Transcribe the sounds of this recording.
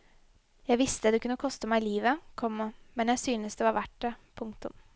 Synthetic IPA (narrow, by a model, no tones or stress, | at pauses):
jæɪʋɪst̪əd̪ɛkʉnːəkʰɔst̪əmæɪliːʋəkʰɔmːəmɛnjæɪsyːnəsd̪ɛʋɑːɾʋæʈːəpʰʊŋkt̪ʊ̰m